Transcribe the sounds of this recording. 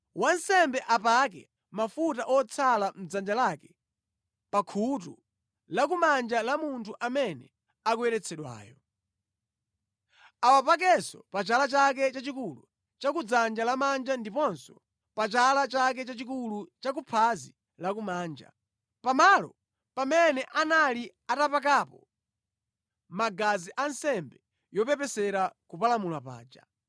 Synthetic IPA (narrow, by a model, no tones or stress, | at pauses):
wan̩sɛmbɛʔapak̬ɛ̰ | mafutaʔɔt͡sʰalam̩d͡zand͡ʒalakɛ | pakʰutṵ | lakumand͡ʒalamuntʰuʔamɛnɛ̰ | ak̬wɛɾɛt͡sʰɛɗwa̰ːjɔ | awapak̬ɛsɔ̰pat͡ʃalat͡ʃak̬ɛt͡ʃat͡ʃikulṵ | t͡ʃakud͡zand͡ʒalamand͡ʒandipɔnsɔ̥ | pat͡ʃalat͡ʃak̬ɛt͡ʃat͡ʃikulut͡ʃak̬upʰazi | lakumaːnd͡ʒa̰ | pamalɔ | pamɛnɛʔanali | atapak̬aːpɔ | maɡaziʔansɛmbɛ | jɔpɛpɛsɛɾakupalamulwapa̰ːd͡ʒa